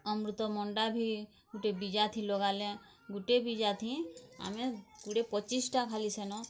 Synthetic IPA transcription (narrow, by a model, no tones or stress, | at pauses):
ɔmɾut̪ɔmɔɳɖabʱi | ɡuʈebid͡ʒat̪ʰĩlɔɡalẽ | ɡuʈebid͡ʒat̪ʰĩa̰mekuɽepɔt͡ʃisʈakʰalisɛnɔ̃